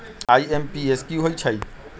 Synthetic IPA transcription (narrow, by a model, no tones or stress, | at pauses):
aːiempieskjuɦoit͡ʃʰɐi